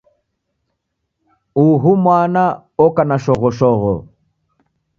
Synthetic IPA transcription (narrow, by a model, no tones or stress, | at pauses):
uɦumwana | ɔkanaʃɔɣɔʃɔɣɔ̰